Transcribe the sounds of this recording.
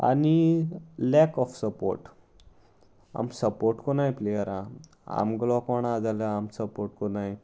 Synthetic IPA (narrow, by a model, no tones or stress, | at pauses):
a̰nilɛkɔfsəpo̰ɾʈ | a̰msəpoɾʈkonajplejəɾã | a̰mɡlɔkɔɳad͡zaləamsəpoɾʈkonaj